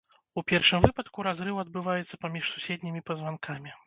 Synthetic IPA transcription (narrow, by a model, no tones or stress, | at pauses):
upʲɛrʂɨmvɨpɐt̪kuɾazɾɨwɐd̪̚bɨvajɛt̪sːɐpamʲiʂsusʲɛd̪ʲnʲimʲipɐzvankʰamʲi